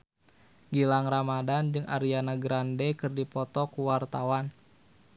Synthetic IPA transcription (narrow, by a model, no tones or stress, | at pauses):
ɡilaŋramadand͡ʒɨŋʔa̰ɾianaɡɾandɛkɨrdipɔt̪ɔkuwart̪awan